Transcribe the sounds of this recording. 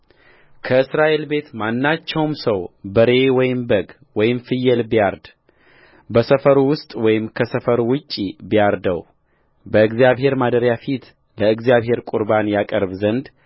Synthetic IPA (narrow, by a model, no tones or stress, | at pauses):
kʰəɨsɾaʔe̞lbe̞t̪manːat͡ʃːɛwmsəwbəɾe̞wɔjɪmbəɡ | wɔjɪmfɨjːɛlbijaɾd̪ | bəsəfəɾwʊst̪ʼwɔjɪmkʰəsəfəɾwʊt͡ʃʼːibijaɾd̪əw | bəɨɡzjaβɦe̞ɾmad̪əɾjafit̪ | ləɨɡzijaβhe̞ɾkʼuɾbanjakʼəɾbzənd̪